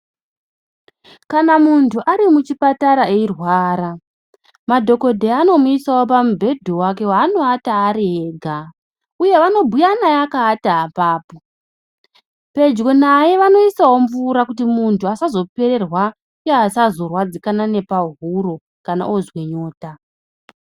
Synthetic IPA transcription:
kanamuntʰuʔaɾimut͡ʃipataɾaeirwaːɾa | madʱo̞ko̞dʱe̞ano̞muisawo̞p̬amubʱe̞dʱowake̞waːno̞ataːɾiɦe̞ːɡʱa | uje̞ʋano̞bʱujanajakaːtaːpaːpo̞ | pe̞d͡ʒɡonaje̞ʋano̞isawo̞ɱvuɾakutimuntʰuasazo̞pe̞ɾe̞rwa | jaːsazo̞rwad͡zikanane̞paɦuro | kana̰ʔozwe̞ɲo̞ːta

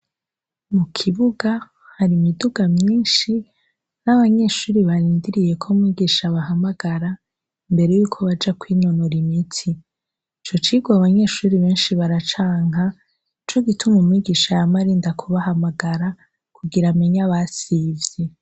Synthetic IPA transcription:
mukʰiβuɡa | haɾimiduɡamɲiːnʃi | naβaɲe̞ʃuːɾiβaɾiːndiɾije̞kʰo̞mŋwiːɡiʃaβaɦamaɡaɾa | imbe̞ɾe̞juːkʰo̞βad͡ʒakwiːno̞noɾimitʰi | t͡ʃo̞t͡ʃiːɡwaβaɲe̞ʃuːɾiβe̞ːnʃiβaɾat͡ʃaːŋ̥a | t͡ʃo̞ɡitumomŋiːɡiʃajamaɾiːndakʰoβaɦamaɡaɾa | kʰuɡiɾameɲaβasivje

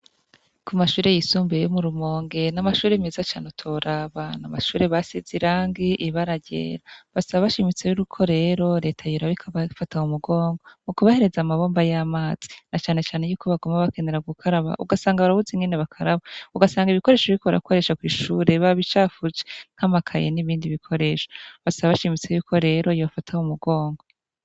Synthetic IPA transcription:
kumaʃuːɾe̞jisuːmbejomuɾumo̞ːŋɡenamaʃuːɾemezat͡ʃaːnotʰoɾaβanamaʃuːɾeβasiziɾaːŋɡiʔiβaɾaɟḛɾaβasaβaβaʃimit͡sejuɾukʰo̞ɾe̞ɾo̞ɾe̞ːtʰajuɾaβikʰaβafataumuɡo̞ːŋɡomukuβahe̞ɾe̞zamaβo̞ːmbajaːmaːz̥i̥nat͡ʃaːne̞t͡ʃaːne̞juːkʰo̞βaɡomaβake̞ne̞ɾaɡukʰaɾaβa̰ʔṵɡasaːŋɡaβaɾaβuzeŋɡeneβakʰaɾaβauɡasaːŋɡiβiko̞ɾe̞ːʃoβiɾikoβaɾa̰kʰo̞ɾe̞ʃakwiːʃuɾe̞βaβit͡ʃaːfut͡ʃeŋ̥hamakʰajḛniβiːndiβikʰo̞ɾe̞ːʃo̥βasaβaβaʃimit͡se̞juːkʰo̞ɾe̞ɾo̞jofatʰahumuɡo̞ːŋɡo

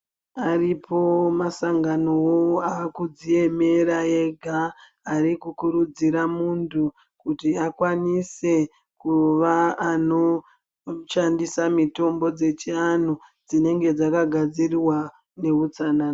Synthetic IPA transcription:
aripʰo̞masaŋɡano̞woaːkud͡zije̞me̞ɾae̞ɡʱaː | ɾikukuɾud͡ziɾamuntʰu | kutiakwanise̞ | kuʋaːno̞ | ʃandisamito̞mbo̞d͡ze̞t͡ʃianud͡zine̞ŋɡe̞d͡zakaɡʱad͡ziriwa | ne̞ut͡sana

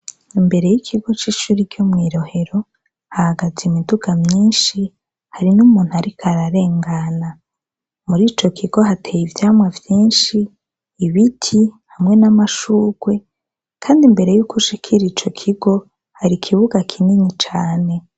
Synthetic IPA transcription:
imbe̞ɾe̞jikʰiɡo̞t͡ʃiːʃuːɾikjomŋiːɾo̞he̞ɾo̞ | hahaɡazimiduɡamɲiːnʃi | haɾinumuːnhuaɾikʰaɾaɾe̞ːŋɡana | muɾiːt͡ʃo̞kʰiɡ̥o̞ɦatʰejivjaːmwavjiːnʃiː | βitʰihamŋe̞namaʃuːɡ̥we̞ | kʰaːndimbe̞ɾe̞juːkuʃikʰiɾit͡ʃo̞kʰiɡo̞ | haɾikʰiβuɡakʰininit͡ʃaːne̞

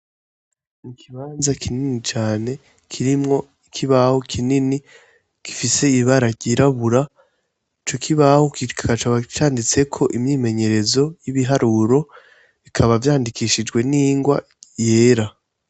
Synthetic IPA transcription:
nikʰiβaːnzakʰininit͡ʃaːne̞ | kʰiɾimŋo̞ | ikʰiβahokʰinini | ki̥fise̞iβaɾaɟiɾaβuɾa | t͡ʃo̞kʰiβahokʰakat͡ʃaβat͡ʃaːndit͡se̞kʰo̞ʔimɲiːme̞ɲe̞ɾe̞zo̞jiβiɦaɾuɾo̞ | βikʰaβavjaːndikiʃid͡ʒɡwe̞niːŋɡwa̰ | je̞ːɾa

